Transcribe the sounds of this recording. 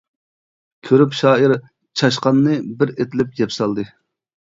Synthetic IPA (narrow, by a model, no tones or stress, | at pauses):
kʲʰøɾypʃɑːiɾ | t͡ʃʰɑʃ̬qɑnːɨbɪɾet̪ʰɪlɪp̚ɡʲɛpsɑlˠd̪ɨ